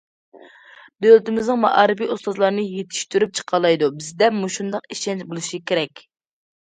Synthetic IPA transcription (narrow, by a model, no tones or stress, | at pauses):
b̪ølt̪ɪmɪznɨŋmɑ̰ʔɑːɾɨpiːʔust̪ozlˠɑɾnɨjet̪ʰi̥ʃt̪yɾyp̚t͡ʃʰə̥qʰɑlˠɑjd̪ubɪzd̪ɛmuʃund̪ɑqiʃɛnt͡ʃbolˠuʃikʲeɾɛkʲ